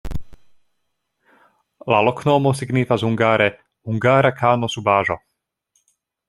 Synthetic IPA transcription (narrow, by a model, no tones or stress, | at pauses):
lalɔkʰnɔːmɔsiɡnifazuŋɡaːɾɛ | huŋɡaːɾakʰaːnɔsubaːʒɔ̰